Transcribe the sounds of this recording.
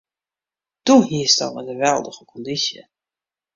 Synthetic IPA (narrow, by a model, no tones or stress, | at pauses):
d̥uɦiəsdɑ̰tədəʋɛlˠdəχəkʰɔndisjə̰